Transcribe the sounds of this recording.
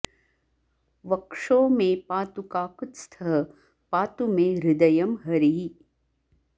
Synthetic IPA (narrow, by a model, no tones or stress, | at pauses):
ʋɐkʂoːmẽpaːt̪ukaːkut̪st̪ʰɐɦɐ | paːt̪umẽːɾɪd̪ɐjɐmɦɐɾiɦi